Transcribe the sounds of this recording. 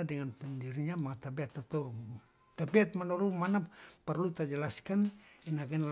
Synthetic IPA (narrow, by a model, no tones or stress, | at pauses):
adɛŋanpundiɾiɲamaŋat̪abiat̪ːat̪ɔɾu | t̪abɛat̪̚manɔɾumanaparlut̪ad͡ʒɛlaskaninaɡɛnl